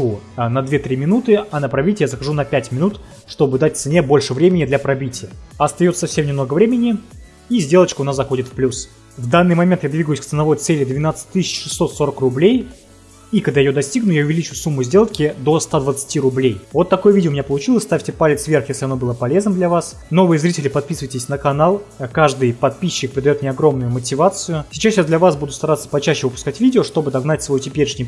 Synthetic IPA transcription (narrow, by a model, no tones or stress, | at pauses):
unɐd̪vʲet̪ɾʲimʲɪnut̪ɨɐnəpɾɐbʲitʲjazəxɐʐunɐpʲætʲmʲɪnut̪ | ʂt̪o̞bɨd̪at̚ʲt̪sɨnʲebo̞lʲʂɨvɾʲemʲɪnʲɪd̪lʲɐpɾɐbʲitʲɪjəɐst̪ɐjot̪sə̥sɐfsʲe̞mnʲɪmno̞ɡəvɾʲemʲɪnʲɪ | izʲdʲe̞lˠət͡ɕkʊnasɐxo̞dʲɪt̪fplʲus | vd̪anːɨjmɐmʲent̪jad̪vʲiɡəjʊsʲk̚t̪sɨnɐvo̞jt̪sɛlʲɪd̪vʲɪnat̪sɨ̥tʲt̪ɨsʲɪt͡ɕʂɨsːo̞t̪so̞ɾəkrʊblʲej | ikɐɡd̪ajɪjod̪ɐsʲtʲiɡnʊjaʊvʲɪlʲit͡ɕʊsumːʊzʲdʲe̞lˠkʲɪd̪o̞st̪ad̪vət̪sɨ̥tʲiɾʊblʲejvo̞t̪ːɐko̞jʊvʲidʲɪomɪnʲapəlˠʊt͡ɕilˠəsʲst̪afʲtʲɪpalʲɪt̪svʲe̞rxjesʲlʲɪɐno̞bɨlˠəpɐlʲe̞znəmd̪lʲɐvas | no̞vɨjəzɾʲitʲɪlʲɪpɐt̪̚pʲisɨvəjtʲɪsʲnəkɐnalˠkaʐd̪ɨjpɐt̪̚pʲiɕːɪk̚pɾʲɪd̪ɐjot̪mʲnʲeɐɡɾo̞mnʊjʊmətʲɪvat̪sɨjʊsʲɪt͡ɕasjad̪lʲɐvasbud̪ʊst̪ɐɾat̪sːə̥pɐt͡ɕæɕːɪvɨpʊskatʲvʲidʲɪoʂt̪o̞bɨd̪ɐɡnatʲsvɐjutʲɪpʲeɾʲɪʂnʲɪj